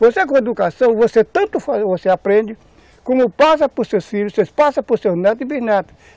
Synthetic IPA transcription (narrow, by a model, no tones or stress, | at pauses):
vosekõed̪ukasɐ̃w̃voset̪ɐ̃nt̪ʊfazvoseapɾẽnd͡ʒɪ | kõmʊpas̬ɐposewsfiʎʊsespasɐposewznɛt̪ibinat̪